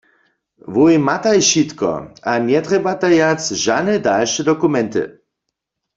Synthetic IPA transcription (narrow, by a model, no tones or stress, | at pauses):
vujmat̪ajʃit̪kɔ̰ʔanjɛt̪ʁɛbat̪ajat͡sʒanɛdalʃɛd̪ɔkumɛnt̪ɨ̰